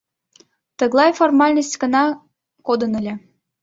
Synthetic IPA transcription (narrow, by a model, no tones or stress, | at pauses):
t̪əɣlˠɑjformɑlʲnəs̬ʲtʲɡənɑ | kod̪ənəlʲĕ